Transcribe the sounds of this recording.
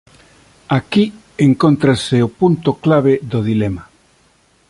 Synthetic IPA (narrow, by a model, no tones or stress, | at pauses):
aki | eŋkont̪ɾaseopunt̪oklaβ̞eðoðilema